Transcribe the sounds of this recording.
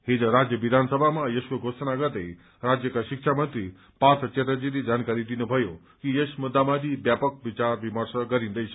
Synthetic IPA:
ɦed͡ʒəɾad͡ʑjəʋid̪ʱansəbʱamãjeʃkəɡʱosnaɡət̪ej | ɾad͡ʑjəkaɕikʃamənt̪ɾi | pat̪ət͡ʃet̪əd͡ʑiɾid͡ʒankaɾid̪inəbʱəjõ | kijesmud̪ːamad̪ʱibjapək̚ʋit͡ʃaɾʋiməɾsəɡəɾĩnd̪əjsʰ

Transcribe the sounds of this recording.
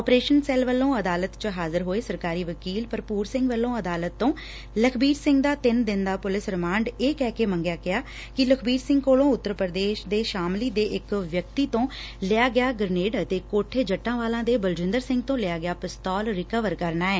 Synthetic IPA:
ɔːpɾeːʃənsɛːlʋəlːõːəd̪aːlət̪t͡ʃəɦaːzəɾɦoːeːsəɾkaːɾiːʋəkiːlpəɾpuːɾsɪ̃ŋɡʋəlːõːəd̪aːlət̪ːõː | ləkʰbiːɾsɪ̃ŋɡd̪aːt̪ɪnd̪ɪnd̪aːpʊlɪsɾɪmãːɳɖeːkɛːkeːmə̃ŋɡjaːkɪjaː | kɪləkʰbiːɾsɪ̃ŋɡkoːlõːʊt̪ːəɾpəɾəd̪eːʃd̪eːʃaːmliːd̪eːʔɪkʋjəkt̪iːt̪õː | lɪaːɡɪaːɡəɾneːɖət̪eːkoːʈʰeːd͡ʒəʈːãːʋaːlãːd̪eːbəld͡ʒɪ̃nd̪əɾsɪ̃ŋɡ̚t̪õːlɪaːɡɪjaːpɪst̪ɔːlɾɪkəʋəɾkəɾnaːɛː

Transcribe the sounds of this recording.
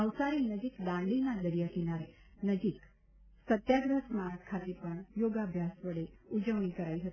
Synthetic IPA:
əʋsaɾinəd͡ʒikd̪ãɳɖinad̪əɾijakinaɾe | nəd͡ʒik | sət̪jaɡɾəsmakʰat̪epəɳjoɡabʱjasʋəɽeud͡ʒəʋɳikəɾaiɦət̪i̥

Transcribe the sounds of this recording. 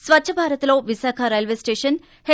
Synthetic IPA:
sʋɐtːʃʰɐbʱaːɾɐt̪ɐlo̞ːʋisaːkʰɐɾɐjɐlʋeːsʈeːʂɐn | he

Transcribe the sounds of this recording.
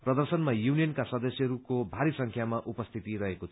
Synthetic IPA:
prʌd̪ʌrsʌnmajunijʌnkasʌd̪ʌsjʌɦɾukobʱaɾisʌŋkʰjamaʔupʌst̪ʰit̪iɾʌɦekot̪ʰ

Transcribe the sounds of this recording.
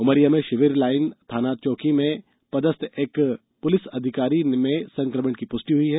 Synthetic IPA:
ʊməɾijamẽʃɪʋɪɾlaːɪnt̪ʰaːnaːd̪̚t͡ʃɔːkimẽ | pɐd̪əst̪ʰeːk | pʊlɪsɐd̪ʱɪkaːɾimẽsɐ̃ŋkɾəməɳkipʊsʈiɦʊiɦɛː

